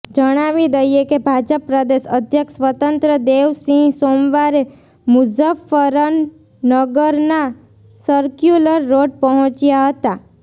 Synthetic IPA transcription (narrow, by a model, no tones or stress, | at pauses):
d͡ʒəɽ̃aʋid̪əjekebʱad͡ʒəpːɾəd̪eʃəd̪ʱjəksʋət̪ənt̪ɾəd̪eʋsĩsomʋaɾe | mud͡ʒafəɾənː | əɡəɾna | səɾkjuləɾːoɖ̚pəɦɔ̃t͡ʃjaɦət̪a